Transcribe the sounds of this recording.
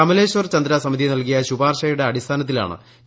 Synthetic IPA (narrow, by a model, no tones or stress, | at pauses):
ɐmɐle̞ːɕʋɐrt͡ɕɐnd̪ɾasɐmid̪ʱinɐlkijɐɕubaːrɕɐjuɽeɐɽist̪ʰaːnɐt̪ːila̰ːɳɨ̰